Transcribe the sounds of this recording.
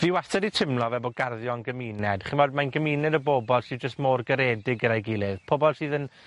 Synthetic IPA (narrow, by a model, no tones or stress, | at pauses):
v̥iwastɛditʰɪmlˠɔvɛboɡarðjɔnɡəmiːnɛd̥χɪnmɔdmajnɡəmiːnɛdəboːbɔlˠsiːd͡ʒəstmoːrɡəɾɛːdɪɡəɾajɡɪːlˠɪðpʰoːbɔlˠsɨːðən